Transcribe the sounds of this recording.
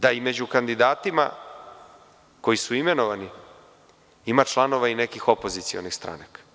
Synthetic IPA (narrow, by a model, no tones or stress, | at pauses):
d̪aime̞d͡ʑukand̪id̪aːt̪ima̰ | ko̞jisuime̞no̞ʋani | imat͡ʃlˠano̞ʋaine̞kixo̞po̞zit̪sio̞̰nixst̪ɾa̰nakḁ